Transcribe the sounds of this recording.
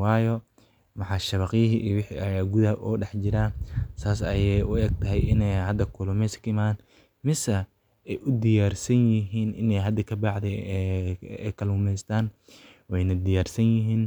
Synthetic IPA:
wɑːjɔ | mɑħɑːʃɐβɐqɪjɐɦiʔiwɪħiʔɐaɡuðɐʔɔːɖɛħt͡ʃɪɾasaːs̬ɐjɛjʊɛːɡ̚t̪ʰɐɦɛjɪnɛjhɐd̪ɐkʰʊlʊmɛskɪmaːn | mɪsɐ | ɛjʔʊd̪ɪjaːrsɐnjɪɦiːnʔɪnɛjɦɐd̪ɐkʰɐbɑʕd̪ɛ | ɛkʰɐlʊmɛjst̪ʰaːn | wɛjnɐd̪ɪjaːrsɐnjɪɦiːn

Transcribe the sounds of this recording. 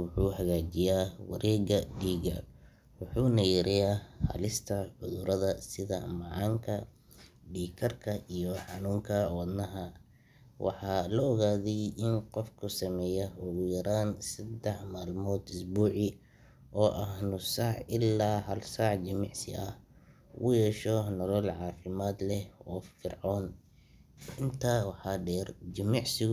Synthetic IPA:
wʊħuːhɐɣaːd͡ʒɪjaːwɐ̰ɾʔɛːɣɐɡiːɣɐ̰ | wʊħuːnɐjɪɾɪjaːhɐ̰lɪst̪ʰɐʕʊðʊɾɐðɐsɪðɐ̰mɑʕɑːŋkʰɐ | ɖiːkʰɐrkʰɐʔijɔħɑnuːŋkʰɐwɑd̪nɐɦɐ | wɑ̰ħɑːlɔːɣaːðɛjʔɪnqɔfkʰʊsɐmɛːjɐʊɣʊjɐɾaːnsɐd̪ɛħmaːlmɔːd̪ʊsbuːʕɪ | ʔɔːʔɐhnʊsɑʕɪlːaːɦɐlsɑʕd͡ʒɐmɪʕsɪ̰ʔɐh | wʊjɛːʃɔnɔlɔlʕɑːfɪmaːd̪lɛɔːfɪrʕɔːn | ɪnt̪ʰaːwɑħɑːɖɛːrd͡ʒɪmɪʕsɪɣ

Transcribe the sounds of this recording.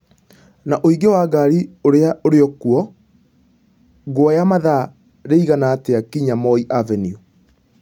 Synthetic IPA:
naʔoiɡewaːɡaɾioɾeaʔoɾeɔkuɔ | ɡoɔjamaða | ɾeiɣanateakiɲamɔiʔavɛniu

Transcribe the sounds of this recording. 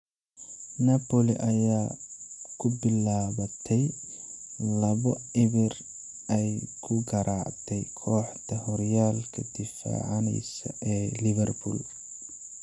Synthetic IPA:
nɐpɔlḭʔɐjaː | kʰʊbɪlaːβɐt̪ʰɛj | lɐβɔɪβɪr | ʔɛjkʰʊɡɐɾʔaːʕt̪ʰɛjkʰɔːħd̪ʰɐhɔɾjaːlkʰɐd̪ɪfa̰ːʕɑnɛ̰jsɐ̰ʔɛːlɪβɛrbʰṵːl

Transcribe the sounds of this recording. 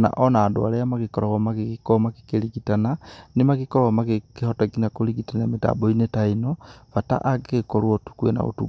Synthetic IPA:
na̰ʔɔnaːdwa̰lejamakikɔɾaɣomakikikomaki̥keliɡitananimakikoɾamakekehotaɡinakoliɡitanameta̰ːboinetainofata̰ʔaɡekolwotu̥kwḛna̰o̰tṵ

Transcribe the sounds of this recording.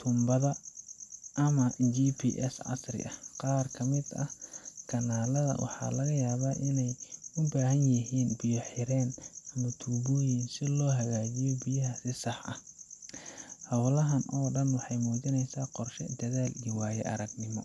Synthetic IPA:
t̪ʰʊmbɐðɐ | ʔɐmɐt͡ʃiːpʰḭːʔɛsʕɑ̰srɪ̰ʔɐqɑːrkʰɐmɪd̪ɐhkʰɐnaːlɐðɐ̰wʔɑ̰ħɑ̰ːlɐɣɐjaːβaːʔɪnɛjʊbaːɦɐnjɐɦiːnbɪjɔħɪɾɛːnɐnʊt̪ʰuːβɔːjinsɪlɔːɦɐɣaːt͡ʃɪjɔbɪjɐɦɐsɪsɑħɐ̰h | hɐwlɐɦɐnʔɔːɖɐnwɑħɑjmuːt͡ʃɪnɛjsaːqɔrʃɛd̪ɐðaːliːwaːjɛ̰ʔɐ̰ɾɐɡnɪmɔ

